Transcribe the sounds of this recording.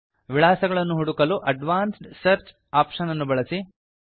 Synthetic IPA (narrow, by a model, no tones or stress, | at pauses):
ʋiɭaːsɐɡɐɭɐnːuɦuɽukɐluʔɐɖʋaːnsʈsɐɾt͡ʃ | aːpʂɐnɐnːubɐɭɐsi